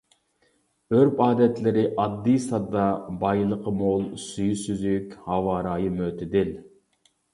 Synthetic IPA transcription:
øɾpɑːd̪ɛt̪lɪɾɪʔɑd̪ːijsɑd̪ɑbɑjlˠəqʰəmolˠsyjsyzykʲhɑwɑːɾɑːjɨmøt̪ʰɪd̪ɪl

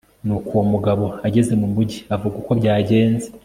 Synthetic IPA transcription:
nukuwomuɡaβo̞aɟe̞ze̞mumuɟiavuɡuko̞bɟaːɟe̞ːnze

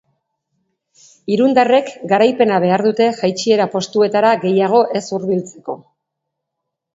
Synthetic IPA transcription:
iɾund̪are̞kɡaɾajpe̞naβ̞e̞aɾðut̪e̞ʝajt͡ʃie̞ɾapo̞st̪ue̞t̪aɾaɣe̞jaɣ̞o̞ʔe̞suɾβilt͡se̞ko̞

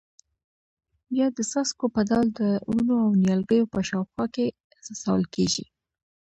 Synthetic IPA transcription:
bjɑd̪əsaskopad̪ɑld̪əuunoawnjɑlɡəjopəʃɑwxwɑke | z̥asawəlkeʒḭ

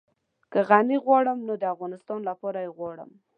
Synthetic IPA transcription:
kəɣaniɣwɑɽəmnod̪əafɣɑnɪst̪ɑnlapɑɾajeɣwɑɽə̰m

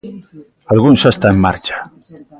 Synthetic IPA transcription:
alɣunsest̪aemːaɾt͡ʃḁ

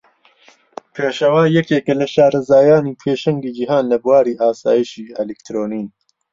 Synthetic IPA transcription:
pʰeːʃɐwaːjɛkeːkɐlɐʃaːɾɐzaːjaːniːpʰeːʃɐŋɡiːd͡ʒiɦaːnlɐbuwaːɾiːʔaːsaːjiʃiːɛlekt̪ʰɾoːniːn

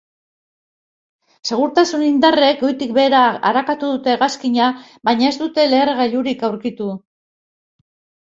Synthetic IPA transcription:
se̞ɣ̞uɾt̪asunind̪are̞ko̞jt̪ikbe̞ːɾaa̰ɾakat̪uðut̪e̞ɣaskiɲa | baɲae̞zd̪ut̪e̞le̞ːɾɣaʎuɾikawɾkit̪u

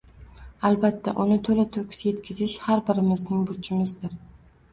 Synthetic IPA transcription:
albat̪ʰːaʔʊnɪt̪ʰɵlɪt̪ʰɵkʲsjet̪̚kʲʰɪzɪʃhaɾbɪɾɪmɪznɪŋbʊɾt͡ʃʰɪmɪzd̪ɪɾ

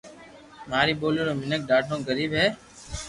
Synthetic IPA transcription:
maːɾiːɓoːliːɾoːmɪnək̚ɖaːʈʰõːɡəɾiːbɦɛː

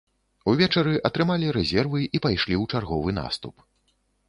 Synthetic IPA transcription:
uvʲɛt͡ʂɐɾɨʔɐt̪ɾɨmalʲiɾɛzʲɛrvɨipajʂlʲiwt͡ʂarɣɔvɨna̰st̪up

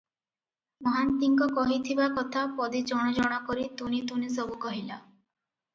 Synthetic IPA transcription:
mɔɦant̪iŋkɔkɔɦit̪ʰibakɔt̪ʰapɔd̪id͡ʒɔɽ̃ɔd͡ʒɔɽ̃ɔkɔɾit̪unit̪unis̬ɔbukɔɦila

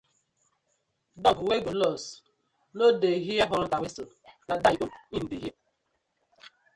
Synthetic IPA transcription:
dɔɡweɡulɔs | nodeɦijaɦɔɾɔn̩tawiso | nadajoin̩diɦe

